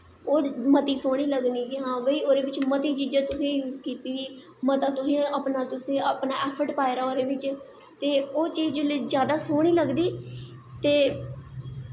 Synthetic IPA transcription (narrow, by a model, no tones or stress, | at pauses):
oːmət̪iːsoːɽ̃iːləɡniːɡiːɦãːʋəiːoːɾeːʋɪt͡ʃmət̪iːt͡ʃiːd͡ʒãːt̪ʊsẽːjuːzkiːt̪iːʋiː | mət̪aːt̪ʊsẽːəpnaːt̪ʊsẽːəpnaːɛːpʰəʈpaːɪɾaːoːɾeːʋɪt͡ʃ | t̪eːoːt͡ʃiːd͡ʒld͡ʒjaːd̪aːsoːɽ̃iːləɡd̪iː | t̪eː